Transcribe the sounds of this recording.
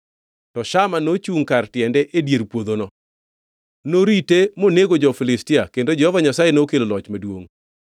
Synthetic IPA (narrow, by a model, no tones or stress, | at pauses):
tɔʃamanot͡ʃuŋkartjɛndɛʔedjeɾpwod̪onɔ | noɾitemoneɡod͡ʒɔfilɪstiakendod͡ʒɛhɔvaɲasajenokelolɔt͡ʃmadwoŋ